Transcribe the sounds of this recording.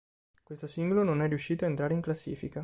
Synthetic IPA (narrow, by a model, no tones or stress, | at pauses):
kwest̪osiŋɡolononɛrːiuʃːiːt̪oaent̪ɾaːɾeiŋklasːḭːfika